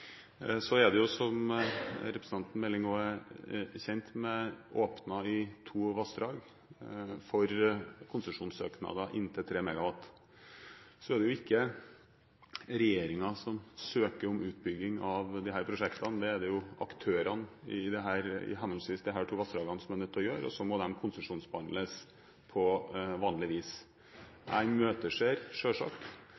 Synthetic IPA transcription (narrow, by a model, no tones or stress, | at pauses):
sɔɛd̪ɛjʊsɔm | ɾɛpɾəs̩ɑnt̪n̩mɛlːɪŋoːɛ | çɛnt̪mɛʔoːpnɑɪt̪ʰuːʋɑst̪ɾɑːɡ | fɔɾkʰʊnsəʂuːnsø̰ːknɑ̰d̪ɑʔɪ̰nːt̪ʰɪlt̪ʰɾeːmɛɡɑʋɑt̪ː | sɔɛd̪ɛjʊɪkːə | ɾɛjeːɾɪŋɑsɔmsøːkəɾɔmʉːt̪̚bʏɡːɪŋɑʋd̪ɪɦæːɾpʰɾʊʂɛkt̪ɑnd̪ɛːd̪ɛjʊʔɑkt̪ʰøːɾɑnɪ̰d̪ɛɦæːɾɪ̰ɦɛnəlsʋiːsd̪ɪɦæːʈʰuːʋɑst̪əɖ̪ɑːɡɑnsɔmənət̪ʰɔjøːɾɔ̰sɔmɔd̪ɛmkʰʊnsəʂuːnsbəhɑnd̪ləs | pʰɔʋɑːnlɪʋiːs | ʔæ̰ɪnmøːt̪əʂeːɾʂøːʂɑ̰ːkt̪